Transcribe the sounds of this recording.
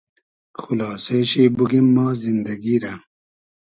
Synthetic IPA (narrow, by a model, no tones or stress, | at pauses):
xulaːseːɕeːbuɡimːaːzind̪ɐɡiɾɐ